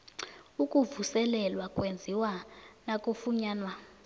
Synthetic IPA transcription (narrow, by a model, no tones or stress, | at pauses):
ukʼuvusɛlɛlwakʼwend͡zʱiwanakʼufuɲaːnwa